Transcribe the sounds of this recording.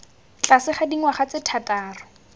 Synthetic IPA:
t͡ɬasɪχadiŋwaχat͡sɪtʰataːrʊ

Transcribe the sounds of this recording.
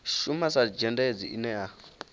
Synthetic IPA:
ʃumasad͡ʒɛndaed͡ziḭnɛa

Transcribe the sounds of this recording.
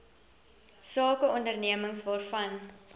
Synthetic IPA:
sɑːkəɔndərniəməŋsvɑːrfɐn

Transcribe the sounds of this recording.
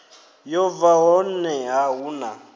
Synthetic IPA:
jɔvaɦɔnɛɦaɦuna

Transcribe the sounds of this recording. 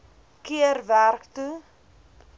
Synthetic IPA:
kiərværktu

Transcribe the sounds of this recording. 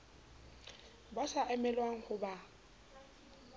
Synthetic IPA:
basaʔɛmɛlwaŋ̩hʊba

